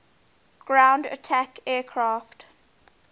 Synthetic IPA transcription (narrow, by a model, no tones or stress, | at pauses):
ɡ̥ɹãʊ̃ndə̰tʰakɛːkʰɹaːft